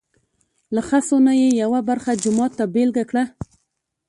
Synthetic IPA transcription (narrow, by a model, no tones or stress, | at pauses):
laxasonajejawabaɾxad͡ʒʊmɑt̪ːabelɡakɽa